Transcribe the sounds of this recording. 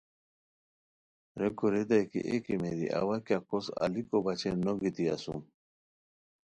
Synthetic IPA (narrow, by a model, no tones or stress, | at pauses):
ɾeɡoɾed̪ajkḭʔekimeɾḭʔa̰wakakosa̰likobɐt͡ɕenoɡit̪iɐsṵm